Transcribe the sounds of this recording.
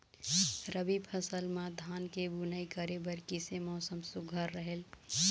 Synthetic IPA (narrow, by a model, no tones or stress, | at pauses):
ɾəbipʰəsəlmãd̪ʱaːnkebunəikəɾebəɾkisemɔːsəmsʊɡʱəɾːəɦel